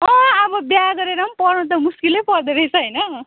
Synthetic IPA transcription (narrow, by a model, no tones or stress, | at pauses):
ʌ̃ʌbʌbjaɡʌɾeɾʌmpʌrnut̪̬ʌmuskilejpʌrd̪eɾʌjt͡sʰʌɦʌjnʌ